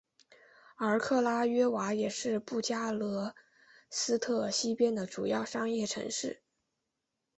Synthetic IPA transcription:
ə˞˧˥kʰɤ˥˩la˥ɥɛ˥wa˧˥jɛ˨˩ʂɻ̩˥˧pu˥˩t͡ɕja˥lɤ˧˥ | sɹ̩˥t̪ʰɤ˥˩ɕi˥pjɛ˥nd̪ə˨ʈ͡ʂu˨˩jɑ˥˩ʊʂɑ˥ŋjɛ˥˩ʈ͡ʂʰɤ̰˧˥ŋʂɻ̩˥˩

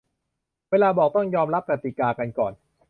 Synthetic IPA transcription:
weː˧laː˧bɔː˨˩k̚t̪ɔ˥˩ŋjɔː˧mɾa˦˥p̚ka˨˩t̪i˨˩kaː˧ka˧nkɔː˨˩n

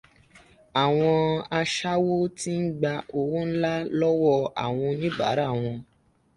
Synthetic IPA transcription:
a˨w̃ɔ̃˧a˧ʃa˦wo˦ti˦n̩˦ɡ͡ba˧o˧wũ˦n̩˦la˦lɔ˦wɔ˦˧a̰˨w̃ɔ̃˧nĩ˦ɡ͡ba̰˨˦ɾa˦˨w̃ɔ̃˧

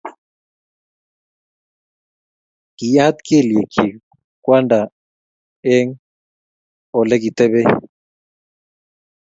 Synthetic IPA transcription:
ki˨ja˦a˦t̪ke˦˨lje˨kʰi˨ | kwa˦nda˨ | ɛ˦ŋ | ɔ˨lɛ˦k̬i˨t̪ɛ˦βɛ˦

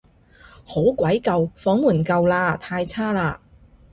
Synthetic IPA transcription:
ho˨˥wkʷɐ˨˥jkɐ˨˧wfɔː˨˥ŋmuː˨˩nkɐ˧wlaː˧t̪ʰaː˧jt͡sʰaː˥laː˧

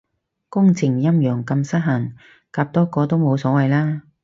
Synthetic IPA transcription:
kʊ˥ŋt͡sʰɪ˨˩ŋjɐ˥mjœː˨˩ŋkɐ˧msɐ˥t̚ɦɐ˨˩ŋ | kaː˧p̚t̪ɔː˥kɔː˧t̪o˥wmo˨˧wsɔː˨˥wɐ˨jlaː˥

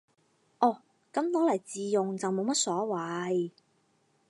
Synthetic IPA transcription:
ʔɔː˨˧˩ | kɐ˨˥mt̪ɔː˨˥lɐ˨˩jt͡siː˨jʊ˨ŋt͡sɐ˨wmo˨˧wmɐ˥t̚sɔː˨˥wɐ˨˧j

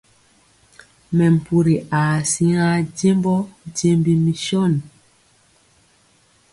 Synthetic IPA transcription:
mɛ˨m̩˨pu˨ɾi˨ʔaː˨si˦ŋa˦ɟe˦mbɔ˦ɟe˦mbi˦mi˨ʃɔ˦˨n

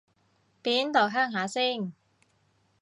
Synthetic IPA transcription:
piː˨˥nt̪o˨˩ɦœː˥ŋɦaː˨˥siː˥˩ŋ

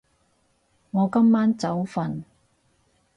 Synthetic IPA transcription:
ŋɔː˨˧kɐ˥mːaː˥nt͡sɐ˨˥wfɐ˨n

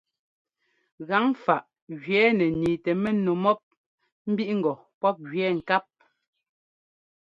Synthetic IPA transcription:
ɣa˨˦ŋfa˨ʔ | ɣɥɛː˨˦nɛ˨niː˨tɛ˨mɛ˦no˨mɔ˦p̚ | m̩˦bi˦ʔŋ̩˨ɡɔ˨ | pɔ˦p̚ɣɥɛː˨˦ŋ̩˨ka˦p̚

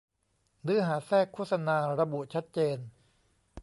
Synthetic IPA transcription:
nɯː˦˥˩ɦaː˩˦sɛː˥˩kʰːoː˥˩t̪̚sa˧naː˧ɾa˧bu˨˩ʔt͡ɕʰa˦˥t̪̚t͡ɕeː˧n

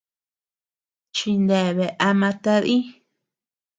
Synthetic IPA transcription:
t͡ʃi˧nd̪e˨βe˨ʔa˧mã˧t̪a˧ðĩ˦

